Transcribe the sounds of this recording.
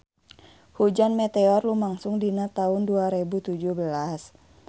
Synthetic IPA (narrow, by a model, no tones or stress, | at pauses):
hud͡ʒanmɛt̪eɔrlumaŋsʊŋdinat̪aɦʊnduaɾebut̪ud͡ʒuhbəlas